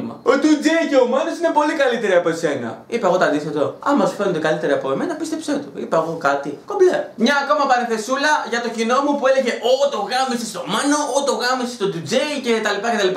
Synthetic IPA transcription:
mɐ̰ot̪ud͡zejce̞omɐno̞sine̞po̞likɐlit̪e̞ɾiɐpo̞ese̞nɐ̰ipeɣo̞t̪oɐnd̪iθe̞t̪oɐmɐsu̥fenond̪ekɐlit̪e̞ɾiɐpoemenɐpist̪e̞pset̪oipeɐɣo̞kɐt̪iko̞mblɐmɲɐːko̞mɐpɐniθe̞sulɐʝɐt̪o̞cino̞mupue̞leʝe̞ʔot̪o̞ɣɐmisest̪o̞mɐno̞ot̪o̞ɣɐmisest̪o̞d̪ud͡zeice̞t̪ɐlipɐce̞t̪ɐlipɐ

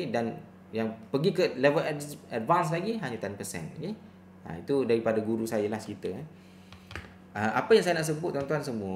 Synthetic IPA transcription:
edan | jaŋpəɡikəlɛvəlaadvans̬laɡiɦaɲut̪ɛnpəsɛ̰noke | a̰it̪udaɾipadaɡuɾusajalaht͡ʃkit̪ə | əmʔapəjaŋsajanaʔsəbʊt̪̚ːɔnt̪uans̬əmũə

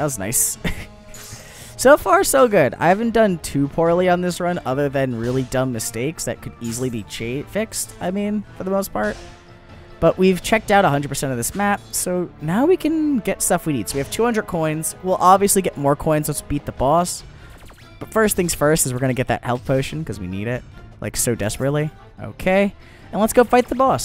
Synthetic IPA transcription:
ðætzna̰ɪs | soʊfɑɹsoʊɡʊɾa̰ɪhævɨ̃n̩d̥ʌ̃ntʰʉpʰɔɹlˠiə̃nðɪsɹʌ̃nʌðə˞ðɨ̃nɹɪlˠidʌ̃mːɨsteɪksðɨ̰t̚kʰɨɾizl̩ˠibit͡ʃʰefɪkstaɪmĩnfə˞ðəmoʊspʰɑɹt̚ | b̥ʌʔwʔiv̥t͡ʃʰɛk̚taʊɾəɦʌ̃ndɹd̚pʰə˞sɛ̃ɾ̃ʌvðɪsmæp̚soʊnaʊwikʰɨ̃nɡɛtstʌfwinid̥soʊwiɨv̥tʰʉhʌ̃ndɹəd̚kʰɔ̃ɪ̃nz̥wilˠʔɑbviɨsliɡɛʔ̚mɔɹkʰɔ̃ɪ̃nzəsb̥it̪̚ðəbɔs | b̥ʌtfɜ˞stθɪ̃ŋz̥fɜ˞stɨzwɨɹɡʌnɨɡɛt̪̚ðɨ̰t̚hɛlˠθpʰoʊʃɨ̃n̩kʌzwḭnḭɾɪt̚la̰ɪksoʊdɛspɹɨtˡli | o̰ʊkʰeɪ | ɨ̃nlətsɡ̥oʊfaɪt̪̚ðəbɔs

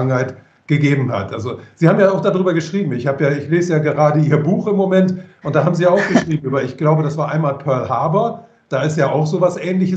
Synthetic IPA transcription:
ŋnhaɪt | ɡ̥əɡeːbm̩ha̰tʔalzoz̥iːhaːmjaːaʊxd̥adʁyːbɐɡəʃʁ̥iːbm̩ɪçhaːbəjaːɪçleːzəjaːɡəʁaːdəʔiːɐbuːxɪmːomɛntʔʊntd̥aːɦaːbm̩zijaːaʊxɡ̥əʃʁ̥iːbm̩ʔyːbɐɪçɡ̥laʊbədasv̥aːɐʔaɪnmaːlpʰœɐlhaːbɐ | d̥aːɪstjaːʔaʊxz̥oːvasʔɛːnlɪçə

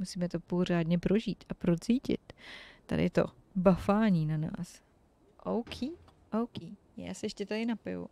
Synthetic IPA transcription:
musiːmɛt̪o̞po̞r̝aːdɲɛpɾo̞ʒḭːt̪ʔapɾot͡siːcɪ̰t̪t̪ːa̰dɪ̰t̪o̞̰ | bafaːɲiːnana̰ːs | ʔowkʰiːʔowkiː | ja̰ːsɛjɛʃcɛt̪adɪnapɪ̰vṵ

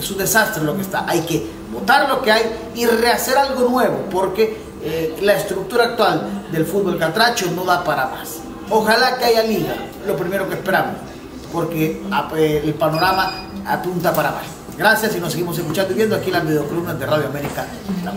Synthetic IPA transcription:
sund̪e̞sast̪ɾelo̞kest̪aʔajke | mot̪aɾlo̞ke̞aj | ire̞ase̞ɾalɣo̞nwe̞βo̞po̞ɾke̞ | laest̪ɾuk̚t̪uɾaːk̚t̪wald̪e̞lfud̪̚βo̞lkalt̪ɾat͡ʃono̞ðapaɾama̰s | o̞xalakeajaliɣa | lo̞pɾime̞ɾo̞kespe̞ɾamos | po̞ɾkeaːlpano̞ɾamaa̰punt̪apaɾama̰s | ɡɾasjasino̞s̬eɣimos̬e̞s̬kut͡ʃand̪oiβje̞nd̪oakielazβiðeokolumnazðeraðjoame̞ɾika | la

